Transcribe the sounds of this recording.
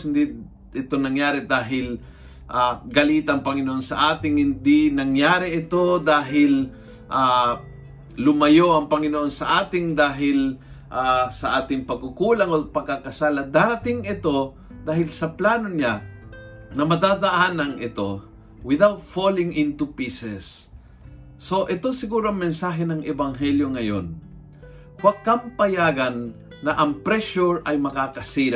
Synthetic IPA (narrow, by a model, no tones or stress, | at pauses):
ɪnd̪i | ɪt̪onɐŋjaːɾɛd̪aːɦɪl | ʔaɡɐliːt̪aʔɐŋpɐŋɪnoʔonsɐ̰ʔaːt̪ɪŋhɪnd̪ɪnɐŋjaːɾɛʔɪt̪o̞d̪aːɦɪl | ʔa | lʊmɐjoʔɐŋpɐŋɪnoʔonsɐʔaːt̪ɪŋd̪aːɦɪl | ʔasɐʔaːt̪ɪŋpɐɡ̚kʊkuːlɐŋopɐɡ̚kːakɐsaːlɐd̪at̪ɪŋɪt̪o̞ | d̪aːɦɪlsɐplaːnoɲa | nɐmɐd̪aːd̪ɐʔanɐŋʔɪt̪o̞ | wɪðawt̪̚folɪŋʔɪnt̪upiːsɛs | oʔɛt̪osɪɡuːɾoɐŋmːɛnsaːɦɛnɐŋɛbaŋɦɛljoŋɐjo̰n | wakːɐmpɐjaːɡɐnː | ɐʔɐŋpɾɛʃʊɹʔɐjmɐkaːkɐsiɾa